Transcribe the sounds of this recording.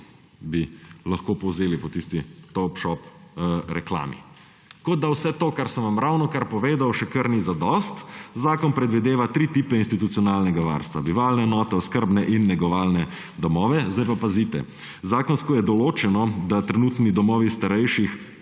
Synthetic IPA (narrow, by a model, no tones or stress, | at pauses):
bilaxkoːpɔwzeːlipɔt̪ist̪it̪ɔpʃɔpɾɛkla̰ːmḭ | kod̪d̪awsɛt̪oːkaɾsənʋamɾawnɔkaɾpɔʋeːd̪awʃɛkəɾnizad̪ɔst̪zaːkɔnpɾɛd̪ʋid̪eːʋat̪ɾit̪iːpɛinst̪it̪ut̪sjɔnaːlnɛɡaʋa̰ɾst̪ʋabiʋalnɛːnɔːt̪ɛɔskəɾbnɛʔinːɛɡɔʋaːlnɛ | d̪ɔmɔːʋɛzd̪ajpapazit̪ɛ̰ | zaːkɔnskɔjɛd̪ɔloːt͡ʃɛnɔd̪at̪ɾɛnuːt̪nid̪ɔmɔːʋist̪aɾɛjʃix